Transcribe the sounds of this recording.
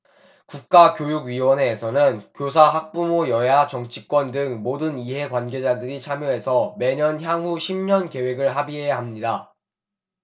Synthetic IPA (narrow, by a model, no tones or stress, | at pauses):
kuk̚k͈akjojuɡɥiwʌne̞ːsʰʌnɯnkjosʰaɦak̚p͈umojʌjat͡ɕʌŋt͡ɕʰik͈wʌndɯŋmodɯniɦe̞kwanɡe̞d͡ʑadɯɾit͡ɕʰamjoɦe̞sʰʌme̞ɲʌnçjaŋɦuɕʰimɲʌnke̞we̞ɡɯɭɦabiɦejaɦamɲida